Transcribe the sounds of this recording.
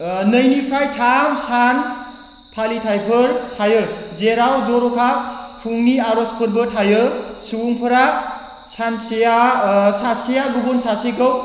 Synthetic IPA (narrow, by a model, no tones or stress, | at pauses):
nɯjnipʰɾajtʰamsan | pʰalitʰajpʰɯɾtʰajɯzeɾawd͡ʒɔɾɔkʰapʰuŋniaɾɔskʰɯɾbɯtʰajɯsuwuŋpʰɯɾa | sansijasasijaɡubunsasikɯw